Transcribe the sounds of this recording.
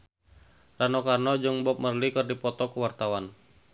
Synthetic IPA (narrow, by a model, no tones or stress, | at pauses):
ranɔkarnɔd͡ʒuŋbɔp̚mərlikɨrdipɔt̪ɔkəwart̪awan